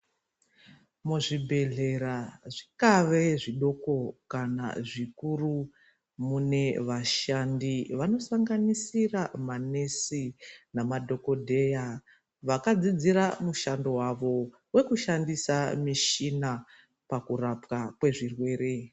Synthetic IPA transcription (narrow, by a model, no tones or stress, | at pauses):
muʐibʱe̞ɮe̞ɾaʐikaʋe̞ʐiɗo̞ko̞kana̰ʐikuru | mune̞ʋaʃandiʋano̞saŋɡanisiramane̞sinamadʱo̞ko̞dʱe̞ja | ʋakad͡zid͡ziɾamuʃando̞waʋo̞ | we̞kuʃandisamiʃina | pakurapkakwe̞ʐirwe̞ːɾe̞